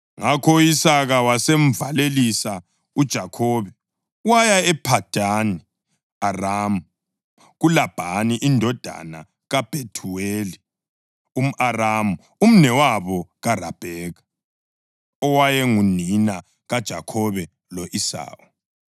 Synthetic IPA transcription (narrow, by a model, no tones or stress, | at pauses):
ŋakʰɔisaɣawasem̩valelisa | ud̥ʒ̥ʱakʰɔːβɛ | wajaɛpʰad̥ʱani | araːmu | ɣulab̥ʱaniʔindʱɔd̥ʱa̰na | ɣab̥ʱetʰuweːli | um̩ʔaramu | um̩nɛwaβɔɣarab̥ʱɛːɣa | ɔwajɛŋunina | ɣad̥ʒ̥ʱa̰kʰɔβɛ | lɔʔisa̰ːɣɔ